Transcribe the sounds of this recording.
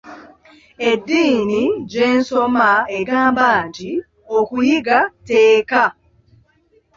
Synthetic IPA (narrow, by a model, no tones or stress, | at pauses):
edːiːniɟeːnsomaeɡaːmbaːɲɟi | okujiɡateːka